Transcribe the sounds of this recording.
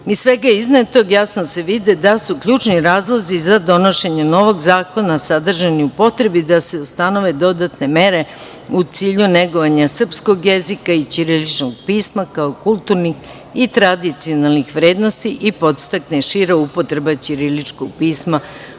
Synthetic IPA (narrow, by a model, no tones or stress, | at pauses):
isːʋeɡaiznat̪o̞ɡjasnose̞ʋid̪ed̪asukʎuːt͡ʃniɾaːzlˠozizad̪o̞no̞ʃeɲeno̞ʋo̞ɡzaːko̞nasad̪r̩ʒaniupo̞t̪ɾe̞bid̪ase̞ust̪ano̞ʋe̞d̪o̞d̪at̪ne̞me̞ɾe̞ | ut̪siːʎuneɡo̞ʋaɲasr̩psko̞ɡjezikait͡ʃiɾilit͡ʃnoɡ̚piːsmakaokulˠt̪uɾnix | it̪ɾad̪it̪sio̞nalˠnixʋɾe̞ːd̪no̞st̪iʔipo̞t̪st̪akneʃiɾaupo̞t̪ɾe̞bat͡ɕiɾilit͡ʃkoɡ̚piːsma